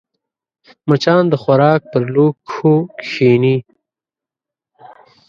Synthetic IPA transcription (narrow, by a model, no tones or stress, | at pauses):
mət͡ʃɑːnd̪əxwaɾɑːk̚pəɾloːokʃiːni